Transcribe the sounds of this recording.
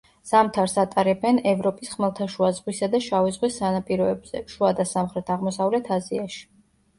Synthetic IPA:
z̥amt̪ʰaɾsat̪ʼaɾɛbɛnɛvɾɔpʼisχmɛlˠt̪ʰaʃuazʁwisad̪aʃavizʁwisːanapʼiɾɔɛbz̥ɛ̰ʃuad̪asamχɾɛt̪ʰaʁmɔsavlɛt̪ʰaziaʃi̥

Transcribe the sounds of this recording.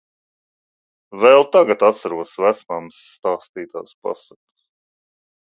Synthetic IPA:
vɛlˠt̪aɡat̪at̪saɾuɔsvæt̪smamsːt̪aːst̪iːt̪a̰ːspa̰saks

